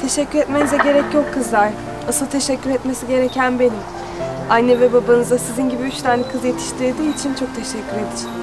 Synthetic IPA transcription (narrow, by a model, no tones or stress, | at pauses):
t̪ʰe̞ʃɛcːyɾɛt̪me̞nizɛɟe̞ɾɛcjo̞kʰːɯzlˠaɾ̥ | asɯlˠt̪ʰe̞ʃɛcʰːyɾɛt̪me̞siɟe̞ɾecʰænbe̞nim | ajnːɛvɛbabanɯzasizinɟibiyt͡ʃt̪ʰaːnɛkʰɯzje̞t̪ʰi̥ʃt̪ʰiɾd̪iːt͡ʃʰint͡ʃʰo̞k̚t̪ʰeʃɛcʰːyɾed̪iɾ